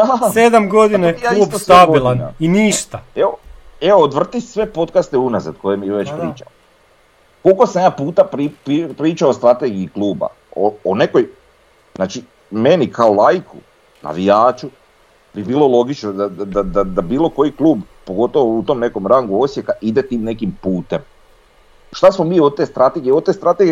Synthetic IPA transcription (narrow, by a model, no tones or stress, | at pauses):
sed̪amɡod̪inejaub̪osaɡoilˠaniniːʃt̪aeoeoːd̪ʋr̩t̪isʋe̞po̞t̪kast̪eunazad̪̚ko̞jemjʋe̞t͡ʃpɾɾiːt͡ʃa̰o | kolkosamjaːpuːt̪apɾipipɾiːt͡ʃaost̪ɾat̪e̞ɡiːkluːba̰ | oone̞ko̞j | znaːt͡ʃi | me̞nikʰaolˠajkṵ | na̰ʋijaːt͡ʃu | bibiːlˠo̞lˠo̞ɡit͡ʃnod̪aad̪ad̪ad̪abiːlˠo̞ko̞jiklˠuːb | po̞ɡo̞t̪oʋout̪o̞ːmne̞ko̞mɾaŋɡuo̞sje̞kaʔid̪e̞t̪iːmne̞kimpuːt̪e̞m | ʃt̪asmo̞miːot̪e̞st̪ɾat̪e̞ɡieot̪e̞ːst̪ɾat̪eɡ